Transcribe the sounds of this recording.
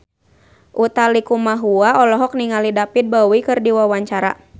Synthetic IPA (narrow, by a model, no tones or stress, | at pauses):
ʔut̪alikumaɦuaɔlɔɦɔk̚niŋalidapid̪̚bawikɨrdiwawaɲt͡ʃaɾa̰